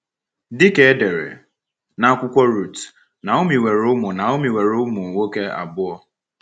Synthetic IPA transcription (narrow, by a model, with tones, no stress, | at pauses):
dɪ˦ke˦e˦de˨ɾḛ˨ | na˨a˦kʷʊ˦kʷɔ˦ɾu˦˨t | na˨o˦mi˨we˨ɾʊ˦mʊ˨na˨ʊ˦mi˨we˨ɾʊ˦mʊ˨wo˦ke˦a̰˨bʊ˦ɔ˦